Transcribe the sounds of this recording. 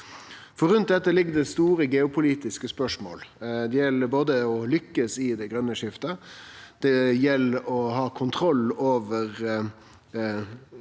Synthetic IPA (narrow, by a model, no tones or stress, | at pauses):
fɔɾʉnt̪̚d̪ɛt̪ːəlɪɡːəd̪ɛst̪uːɾəɡɛʊpʰʊliːt̪ɪskəspœʂmo̰ːld̪ɛjɛlːəboːd̪əɔlʏkːəsɪd̪ɛɡɾœnːəʂɪft̪əd̪̥ɛjɛlːəɔhɑːkʰʊnt̪ʰɾɔlːoːʋəʁ